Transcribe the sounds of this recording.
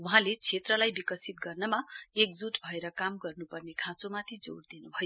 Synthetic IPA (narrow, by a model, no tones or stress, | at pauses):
uɦãlet͡sʰet̪rʌlajbikʌsit̪̚ɡʌrnʌmaek̚d͡zuʈbʱʌeɾʌkamɡʌrnupʌrnekʰãt͡somat̪ʰid͡zo̰ɽd̪inubʱʌjo